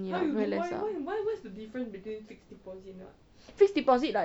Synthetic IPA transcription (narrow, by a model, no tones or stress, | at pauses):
njavɛlɛsa̰wawawɔtsdədifɹə̃nbitwĩnfiksdipɔsit̚nɔ̰ | fiksdipɔzit̚la